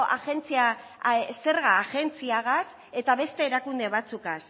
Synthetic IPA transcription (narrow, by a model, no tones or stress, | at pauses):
ʔa̰ʝe̞nt͡sia | se̞ɾɣaːʝe̞nt͡siaɣas | e̞t̪aβe̞st̪e̞ːɾakund̪e̞βat͡sukas